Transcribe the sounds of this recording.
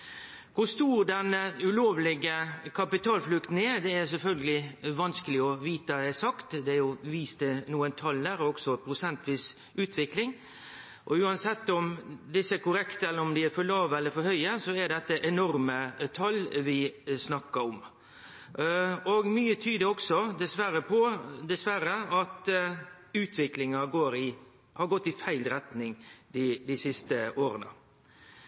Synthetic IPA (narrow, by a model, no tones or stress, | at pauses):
kʊst̪uːɾd̪ɛnːəʉloːʋlɪɡəkʰɑpɪt̪ʰɑːlflʉkt̪n̩ɛɾd̪ɛæɾs̬ɛlfœlɡəlɪʋɑnskəlɪɔʋiːt̪əd̪ɛsɑkt̪d̪ɛæɾjʊʋiːst̪ənuːənt̪ʰɑld̪æːɾɔksɔpʰɾʊsɛnt̪ʰʋiːs | ʉːt̪ʰʋɪklɪŋ | ʔɔʉːɑnsɛt̪ːɔmd̪ɪsːəækʊɾɛkt̪əɛlːəɾɔmd̪ɪæɾfɔɭɑːʋəɛlːəɾfɔɾhœʏəsɔɛɖɛt̪ːəʔɛnɔɾmət̪ʰɑlːʋɪsnɑkːɑɾɔm | ɔɡmyːət̪ʰyːd̪əɔksɔd̪ɛsʋæɾəpʰɔd̪ɛsʋæɾəɑt̪ | ʉːt̪ʰʋɪklɪŋɑɡoːɾɪ | hɑɾɡɔt̪ːɪfæɪlɾɛt̪nɪŋd̪ɪd̪ɪsɪst̪əʔoːɾənə̰